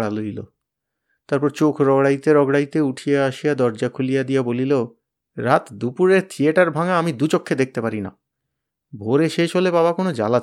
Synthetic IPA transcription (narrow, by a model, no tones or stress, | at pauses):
ɽaloilo̰ | t̪aɾpɔɾt͡ɕokʰɾɔɡɽajt̪eɾɔɡɽajt̪euʈʰijeaʃijad̪ɔɾd͡ʑakʰulijad̪ijabolilo | ɾat̪d̪upuɾeɾt̪ʰieʈaɾbʱaŋaamid̪ut͡ɕokʰːed̪ek̚t̪epaɾina̰ | bʱoɾeʃeʃɦolebaβakonod͡ʑa̰la